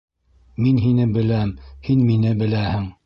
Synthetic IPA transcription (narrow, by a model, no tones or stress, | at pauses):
minɦinɘbɘ̆læmhinminɘbɘ̆læhɘŋ